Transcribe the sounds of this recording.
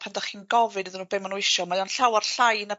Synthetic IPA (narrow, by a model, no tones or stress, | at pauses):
pʰandaχiːnɡɔvɨdɨðɪnuːbemanuɪʃɔmajɔnɬawarɬajna